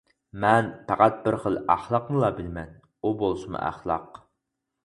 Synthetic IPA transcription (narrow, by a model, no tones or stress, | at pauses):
mɛnpʰæqæt̪̚bɪɾχəlˠæχlˠɑqmɨlˠɑbɪlmɛn | ubolˠʃmɨ̰ʔæ̰χlˠɑ̰q